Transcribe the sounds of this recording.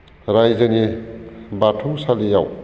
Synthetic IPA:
ɾajzani | batʰusalijaw

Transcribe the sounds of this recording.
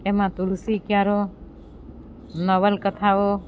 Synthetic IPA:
emãt̪ulusikjaɾo | nəʋəlkət̪ʰaʋo

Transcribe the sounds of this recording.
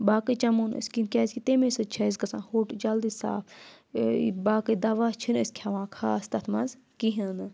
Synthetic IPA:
baːkɨt͡ʃɐmuːnɨ̰skinkʲaːzkit̪emesɨt͡ʃʰɐizkɐsã̰ːnhoːʈd͡ʒɐld̪isa̰ːpʰ | baːkɨd̪ɐʋat͡ʃʰinɨsʲkʲʰɐʋãːkʰaːst̪ɐt̪ʰmɐnz | kiɦɐnɨ

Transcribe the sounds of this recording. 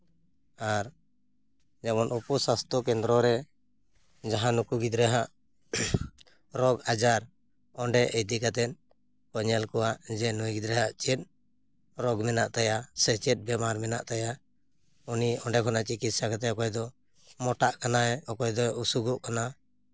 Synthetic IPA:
aɾ | d͡ʒɛbɔnupusast̪ɔkɛnd̪ɾɔɾɛ | d͡ʒaɦãnukuɡid̪ɾɛɦaʔ | ɾɔɡad͡ʒaɾ | ɔɳɖɛʔɛjd̪ikat̪ɛn | kɔɲɛlkɔwaʔd͡ʒɛnujɡid̪ɾɛɦaʔt͡ʃɛt̪̚ | ɾɔɡmɛnaʔt̪ajasɛt͡ʃɛt̪̚bɛmaɾmɛna̰ʔt̪aja | uniɔɳɖɛkʰɔnat͡ʃikit̪̚sakat̪ɛɔkɔjd̪ɔ | mɔʈaʔkanaɛɔkɔjd̪ɔusuɡuʔkana

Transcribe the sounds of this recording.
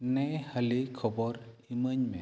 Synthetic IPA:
nejhəlikʰɔbɔɾiməɲmɛ

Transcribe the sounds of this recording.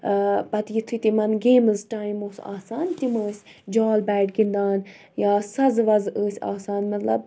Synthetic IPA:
pɐt̪jit̪ʰɨt̪imɐnɡeːmɨzʈaːjmoːsa̰ːsaːnt̪iməːsʲ | d͡ʒaːlbæːʈɡind̪aːn | jaːsɐzʋɐzəːsʲa̰ːsaːnmɐt̪lɐ̰b̚

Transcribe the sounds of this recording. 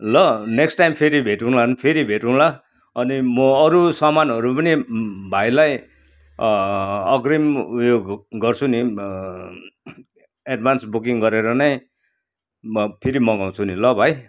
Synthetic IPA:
lʌneksʈajmpʰeɾibʱeʈũlanpʰeɾibʱeʈũla | ʌnimʌʌɾusʌmanɦʌɾupʌnibʱajlaj | ʌɡrimujoɡɡʌrt͡sʰuni | eɖbʱansbuk̬iŋɡʌɾeɾʌnʌj | pʰeɾimʌɡaw̃t͡sʰunilʌbʱaj

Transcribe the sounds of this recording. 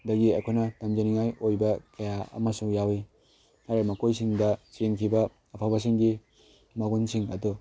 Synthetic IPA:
dɐɡiɐkʰojnɐtamd͡ʒɐniŋajojbɐkɐjaɐ̰mɐsuŋjawi | haɾemɐkojsiŋdɐt͡ʃenkʰibɐː | pʰabɐs̬iŋɡi | maɡunsiŋɐ̰du

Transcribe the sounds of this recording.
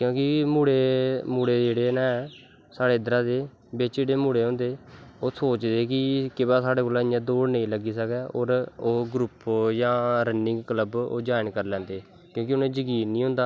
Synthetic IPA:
kjõːkɪmuːɽeːmuːɽeːd͡ʒeːɽeːnɛːɛː | saːɽeːɪd̪əɾãːd̪eː | bet͡ʃeːɽeːmuːɽeːɦõːnd̪eːoːsoːt͡ʃd̪eːkɪkɪbaːsaːɽeːkoːlãːɪjãːd̪oːɽnĩːləɡiːsəkɛːo̰ːɾoːɡɾʊpjãːɾənɪ̃ŋɡkləbo̰ːd͡ʒaːɪnkəɾlɛ̃ːnd̪eː | kjõːkɪʊnẽːd͡ʒəɡiːnnĩːɦʊ̃nd̪aː

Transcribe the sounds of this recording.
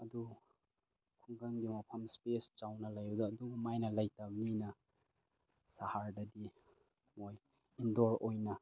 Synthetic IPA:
ɐdu | kʰuŋɡɐŋɡimɐpʰɐmspest͡ʃawnɐlɐjɐdɐːduɡɐmajnɐlɐjtabɐninɐ | sahaɾdɐdi | moj | indoɾojnɐ

